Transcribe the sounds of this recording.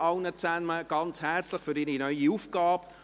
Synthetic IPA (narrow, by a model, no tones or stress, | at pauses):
ɑwnət͡sænməɡ̥ɑnt͡shɛrt͡slɪχfʏɾɪɾinœʏiufɡ̥ɑːb